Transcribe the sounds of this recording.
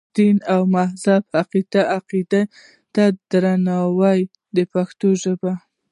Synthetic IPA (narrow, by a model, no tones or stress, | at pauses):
d̪̥inawmahzabhaqid̪aaqid̪a | t̪ad̪ɾanɑwaj | d̪əpaxt̪oʒəba